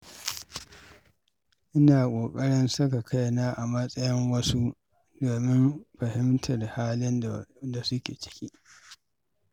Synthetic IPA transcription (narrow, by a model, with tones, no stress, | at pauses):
ʔɪ˦naː˨kʷʼoː˨kʼɐ˦ɽɪ˦nsɐ˦ka˨ka˦jnaː˦ʔa˨mɐ˦sʼɐ˦jɪ˦ŋwɐ˦su˦ | doː˨mɪ˦mɸɐ˨hɪ˦mtʰɐ˨rhaː˦lɪ˦nda˨sʊ˦kʲeː˨t͡ʃɪ̥˦kʲiː˦